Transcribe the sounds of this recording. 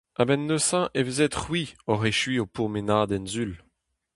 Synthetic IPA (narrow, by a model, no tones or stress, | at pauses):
abɛnːøsɑ̃ʔevezet̪χwiɔʁeʃɥiopuʁmenaːd̪ɛnzyl